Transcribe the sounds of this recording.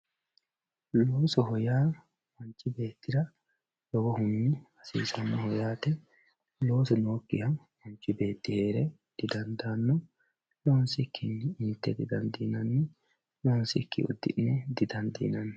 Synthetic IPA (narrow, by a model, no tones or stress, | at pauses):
loːsɔɦɔjaː | mɐnt͡ʃʼːɪbe̞ːt̪ːɪɾɐ | l̥ɔɡɔhʊniːɐsḭːsɐnːɐhɔjaːt̪ɛ | lo̞ːsɔno̞ːkːɪhɐn | mɐnt͡ʃːɪbe̞ːt̪ːɪhe̞ːɾɛ | d̪̥ɪd̪ɐnd̪aːnːɔ | loːnsɪkʰːɪnɪnt̪ːɛd̪ɪd̪ɐnd̪iːnɐni | loːnsɪ̰kːɪ̰ʊ̰d̪ːɪ̰ʔnɛd̪ɪd̪ɐnd̪ḭːnɐnː